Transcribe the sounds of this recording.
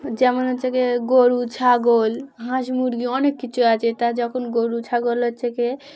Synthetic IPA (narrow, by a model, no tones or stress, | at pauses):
d͡ʒɛmonɦot͡ʃʰekeɡoɾut͡ʃʰaɡolɦãʃmuɾɡiɔnekːit͡ʃʰuat͡ʃet̪ad͡ʒɔkʰonɡoɾut͡ʃʰaɡolɦɔt͡ʃʰeke